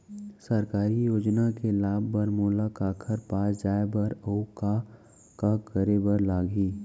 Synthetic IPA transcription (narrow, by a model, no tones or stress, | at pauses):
səɾkaːɾijoːd͡ʒnakelaːbːəɾmoːlakaːkʰəɾpaːsd͡ʒaːebəɾəʊka | kakəɾebəɾlaːɡiː